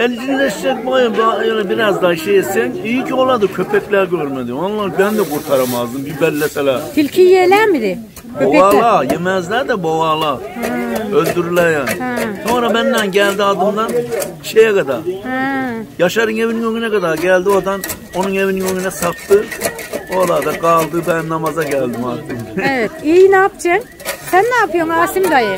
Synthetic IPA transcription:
ɛlʲd͡ʒinlɛʃid͡ʒɛbojabajolɛbiɾazd̪aːiʃejɛsɛnijicʰolˠad̪ɯcʰøpʰɛclʲæɾɟøɾmɛd̪ionlːˠabænd̪ɛkʰuɾt̪ʰaɾamazd̪ɯmbibɛlʲːɛt̪ɛlæt̪ʰilʲcʰijelʲæɾmid̪ɪ | bøoalˠaːjemɛzlʲæɾd̪ɛbovaːlˠa | ølʲd̪yɾylɛɾjaːniso̞nɾabɛnd̪ænɟɛlʲd̪iad̪ɯmd̪an | ʃejɛkad̪aːɾ | jaʃaɾɯneviniŋøŋynɛkad̪aɾɟælʲd̪iod̪an | o̞nuneviniŋøŋynɛsapt̪ɯolˠaːd̪aɡɑlˠd̪ɯbænnamazaɟælʲd̪imaːt̪ʰːɯnevɛt̪ijnaːpt͡ʃʰɛn | sænːaːpʰɯjomaːsimɡajɯ

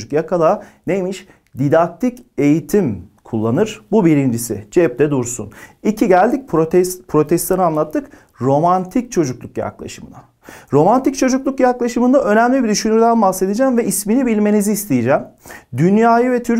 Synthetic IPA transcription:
ukjakʰalˠaːnejmiʃ | d̪id̪ak̚t̪ʰice̞jit̪ʰimkʰulˠːanɯɾ̥bubiɾind͡ʒisɪ̰d͡ʒɛp̚d̪ɛd̪uɾsṵnicʰiɟælʲd̪ic̚pɾot̪ɛspʰɾo̞t̪ʰɛst̪anɯanlˠat̪ʰːɯk | ɾo̞mant̪ʰic̚t͡ʃʰo̞d͡ʒuklˠukja̰klˠa̰ʃɯmɯna | ɾo̞mant̪ic̚t͡ʃʰo̞d͡ʒuklˠukjaklˠaʃɯmɯnd̪aʔø̞næmlʲibid̪yʃynyɾd̪ænbahse̞d̪ed͡ʒæːmvɛʔisminibilʲme̞niziːst̪ʰejid͡ʒæːmd̪ynjaːjɯvɛt̪ʰyɾ

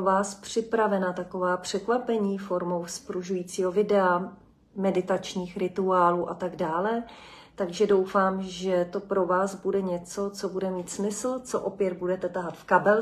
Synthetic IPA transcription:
vaːspr̥ɪpɾavɛnat̪ako̞vaːpr̝̥ɛkvapɛɲiːfo̞ɾmo̞wspɾuʒujiːt͡siːɦo̞vɪdɛa | mɛdɪt̪at͡ʃɲiːxɾɪt̪uaːluːʔat̪aɡdaːlɛ | t̪aɡʒɛdo̞wfaːmʒɛt̪o̞pɾo̞vaːzbudɛɲɛt͡so̞t͡so̞budɛmiːt̪smɪsl̩t͡soʔopjɛd̪̚budɛt̪ɛt̪aɦat̪fkabɛl

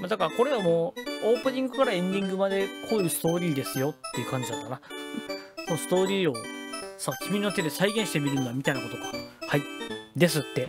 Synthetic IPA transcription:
mad̪akaɾako̞ɾe̞βamoːoːpɯ̟ɲ̟ĩŋɡɯ̟kaɾaẽ̞nd̪ʲĩŋɡɯ̟mad̪e̞kʰo̞ːjɯ̟sɨ̥t̪o̞ːɾʲiːd̪e̞sɨjo̞t̪ːe̞jiɯ̟kãɲ̟d͡ʑid̪at̪ːakana | so̞nosɨ̥t̪o̞ːɾʲiːo̞sakʲimʲino̞t̪e̞d̪e̞saiɡẽɕi̥t̪e̞mʲiɾɯ̟̃noamʲit̪ainako̞t̪okḁhaid̪e̞sɨt̪ːe̞

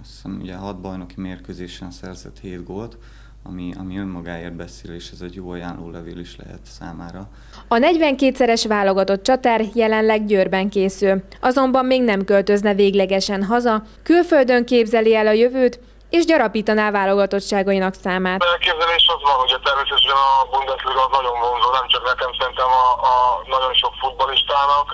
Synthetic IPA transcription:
sɛmṵɟɛɦɒd̪̚bɒjno̞kimeːrkøːzeːʃɛnsɛrz̥ɛ̰t̪heːd̪ɡolt̪ | ɒmiɒ̰miømːɒɡaːeːrd̪̚bɛseːleːʃɛzɛɟjoːɒjaːnloːlɛvḛːliʃlɛ̰ɦɛ̰t̪saːmaːɾɒ | ɒnɛɟʋɛŋkeːt̪sɛɾɛʃʋaːlo̞ɡɒt̪o̞t̪t͡ʃɒt̪arjɛlɛnlɛɡɟøːrbɛŋkeːsylʔɒzo̞mbɒmːeːɡnɛmkølt̪ø̞znɛveːɡlɛɡɛʃɛnɦɒzɒ | kylføld̪ø̞ŋkeːbzɛliɛlɒjøvøːt̪ | eːʒɟɒɾɒpiːt̪ɒnaːvaːlo̞ɡɒt̪o̞t̪ʃaːɡɒinɒksaːmaːt̪ɛøːkeːbzɛleːʃɛzvɒnuɟɛt̪ɛrmeːsɛʃujɛnɒbund̪ɛsliɡɒznɒɟo̞mmonzoːnɛmt͡ʃɒknɛkɛmsɛɾint̪ɛmɒːnɒɟo̞nʃo̞kfud̪̚bɒliʃt̪aːnɒk

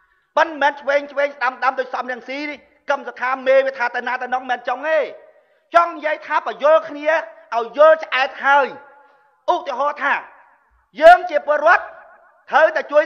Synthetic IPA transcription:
pənmɛːnt͡ɕʰʋeːŋt͡ɕʰʋeːŋsɗaəmɗaəmɗ̪oːc̚sɑmrɛ̆əŋsiːnih | kəmsok̪ʰaːmeːʋiət̪ʰːaːt̪awnaːt̪awnoŋmɛːnt͡ɕoŋeː | t͡ɕɑŋnijəəjt̪ʰaːprəjʊ̆əlkʰniəʔaɔjːʊ̆əlt͡ɕʔaɛt̪̚haəj | ʔut̪iəɦɑːt̪ʰaː | jəːŋt͡ɕiəpʊəlɾŏət̪̚ʰː | əwt̪aɛt͡ɕuəj

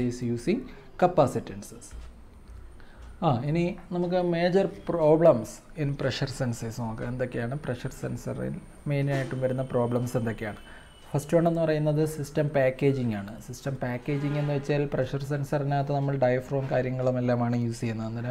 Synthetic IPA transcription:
eːsjuːsiŋ | kɐpːaːsitːensɐs | aːininɐmuk̬ːɨme̞ːd͡ʑɐrpro̞ːbɭɐms | enːɨpreʂɐrsensesumoːkːeend̪o̞kːe̞jaːɳɨpreʂɐrsensɐ̰rḭl | me̞ːninaːjiʈːumʋɐɾunːɐpro̞ːblɐmse̞nd̪o̞kːejaːɳɨ | fɐstoɳɖe̞nːɨpɐrɐjunːɐðɨsistɐmpaːkːeːd͡ʑiŋɡaːɳɨsistɐmpaːkːe̞ːd͡ʑiŋɡe̞nːɨʋɐt͡ɕːaːlpreʂɐrs̬ensɐrinaːt̪ːenɐmːɐɭɖɐjɐfro̞ːnkaːɾjɐŋːɐɭumelːaːmaːɳɨjuːsiːunːɐenːɐnɐ

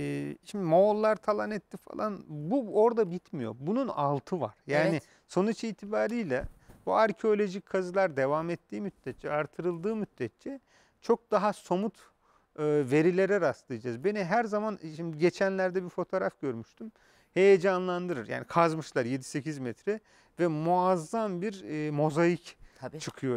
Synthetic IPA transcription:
ɛːʃimd̪imolˠːaɾt̪ʰalˠanɛt̪ːifa̰lˠanbuo̞ɾd̪abit̪ʰmijo̞̰ɾbununalˠt̪ʰɯva̰ɾ̥jaːni | so̞nut͡ʃiːt̪ʰibaːɾɯjlʲɛbuaɾcʰeo̞lʲo̞ʒicʲkʰːazɯlˠaɾd̪e̞vamɛt̪ːiːmyt̪̚ːɛt̪̚t͡ʃʰɛaɾt̪ʰɯɾɯlˠd̪ɯːmyt̪̚d̪ɛt̪̚t͡ʃɛ | t͡ʃʰo̞k̚d̪aɦaso̞mut̪ | ɯve̞ɾilʲeɾɛɾaslˠɯjd͡ʒazbe̞niɦæɾzamanʃimd̪iɟe̞t͡ʃʰænlʲæɾd̪ɛbiɾfo̞t̪ʰo̞ɾafɟ̥ø̞ɾmyʃt̪ʰym | he̞jed͡ʒanlˠand̪ɯɾɯɾja̰ːnikʰazmɯʃlˠaɾje̞d̪i̥se̞cʰizmɛt̪ɾɛ | vɛmuazːambiɾmo̞zajict͡ʃʰɯkʰɯjo

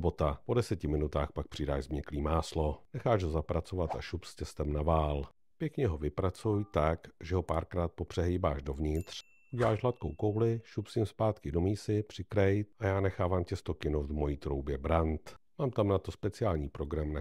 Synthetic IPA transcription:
bot̪apo̞dɛsɛcɪmɪnut̪aːxpak̚pr̝̥ɪdaːʒzmɲɛkliːmaːslo̞nɛxaːʃɦozapɾat͡so̞vat̪ʔa̰ʃupscɛst̪ɛmnavaːl | pjɛkɲɛɦo̞vɪpɾat͡sujt̪akʒɛɦopaːɾkɾaːt̪̚popr̥ɛɦɛjbaːʃdo̞vɲɪt̪r̥ | uɟɛlaːʃɦlat̪ko̰wko̞wlɪʃupsɪmspaːt̪kɪdo̞miːsɪpr̝̥ɪkɾɛjt̪̚ʔajaːnɛxaːvaːmcɛst̪okɪnoft̪vmo̞jiːt̪ɾowbjɛbɾant̪maːmt̪amnat̪ospɛt͡sɪaːlɲiːpɾo̞ɡɾamna

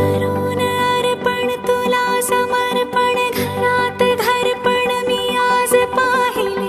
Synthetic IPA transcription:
ɐɾunəɐɾpəɳt̪ulasɐmɐɾpəɳɡʱɐɾat̪d̪ʱɐɾpəɳmiad͡zpaɦil

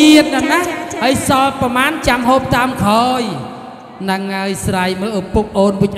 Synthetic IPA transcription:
iət̪̚nanahhəəjsɑlprɑmaːnt͡ɕamɦoːp̚t̪aəmkʰaːj | nɨŋːaəjsrajməːʔpup̚ʔoːnʋɨc̚ʔ

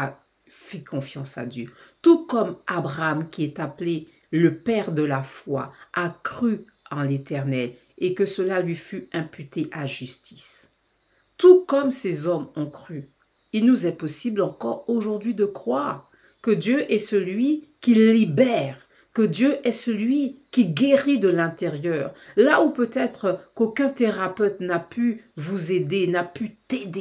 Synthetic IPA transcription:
a | fɛkɔ̃fjɑ̃sa̰d̪jøt̪ukɔmabʁaamkʲiɛt̪aple | ləpɛʁd̪əlafwa̰akχy | ɑ̃let̪ɛʁnɛl | ekəsəlalɥifyɛ̃pyt̪eʔaʒyst̪i̥s | t̪ukɔmsezɔmɔ̃kχy | ilnuzɛpɔsiblɑ̃kɔʁoʒuʁd̪ɥid̪əkχwaːʁ | kəd̪jøʔɛsəlɥikʲilibɛʁ | kəd̪jøʔɛsəlɥikʲiɡʲeʁid̪əlɛ̃t̪eʁjœːʁlaupøt̪ɛt̪χəkokʲɛ̃t̪eʁapøt̪napyvuzed̪enapyt̪ed̪e

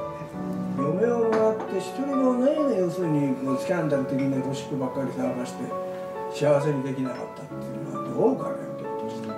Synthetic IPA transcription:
e | jo̞me̞omat̪ːe̞çi̥t̪o̞ɾʲiɡoanaiinajoːsɨːɲ̟ikoskʲãnd̪aɾɯ̟t̪e̞kʲiɲiet̪o̞ɕi̥kɯbakːaɾʲisakaɕi̥t̪e̞̰ | ɕiaβ̞as̬e̞ɾʲid̪e̞kʲinaka̰t̪ːat̪ːejɯnnoa̰d̪ooka̰ɾa̰net̪ːet̪ːeɕ

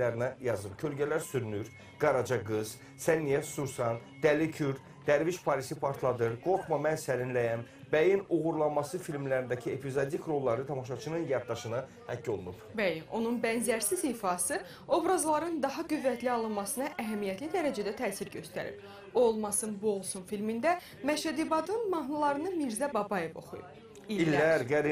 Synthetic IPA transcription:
æɾinæjɑzɯɾcʰø̞lɟælæɾsyɾynyɾ | ɡɑɾɑd͡ʒɑɡɯz̥ | sænːijæsuɾsɑn | d̪̥ælicʰyɾ | d̪̥æɾviʃpʰɑɾisipʰaɾt̪ʰlˠɑd̪ɯɾɡo̞kmɑmænsælinlæjæm | bæjinuɣuɾlˠɑnmɑsɯfilmlæɾind̪æcʰiepʰizod̪ikʰɾo̞lˠːɑɾɯt̪ʰɑmɑʃɑt͡ʃʰɯnɯnjɑɾ̚d̪ɑʃɯnɑ | hæcʰːo̞lˠunupbæjino̞nunbænzæɾsiziːfɑsɯ | o̞bɾɑzlˠɑɾɯnd̪ɑɦɑɡyvːæt̪ʰliɑlˠɯnmɑsɯnɑʔæɦæmijæt̪ʰlid̪æɾæd͡ʒæd̪æt̪ʰæːsiɾɟø̞st̪æ̰ɾḭɾ | oolˠmɑsɯnbuolˠsunfilmind̪æ | mæʃæd̪ibɑd̪ɯnmɑɦnulˠɑɾɯnɯmiɾzæbɑbɑje̞vo̞̰χujṵp | iilːæɾɡæɾi

